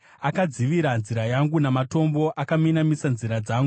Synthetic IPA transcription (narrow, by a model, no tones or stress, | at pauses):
akad͡ziʋiɾanziɾajaŋɡunamato̞mbo̞ʔakaminamisanziɾad͡zaːŋɡu